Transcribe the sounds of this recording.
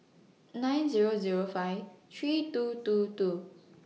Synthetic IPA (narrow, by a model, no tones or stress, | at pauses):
nãj̃nziɹoziɹofaɪvtʰɹitututu